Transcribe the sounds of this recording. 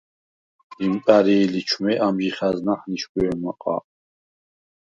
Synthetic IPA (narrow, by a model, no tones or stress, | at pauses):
imkʼaɾiːlit͡ʃʰmɛʔamʒiχaznaχniʃɡuɛmaqʼa̰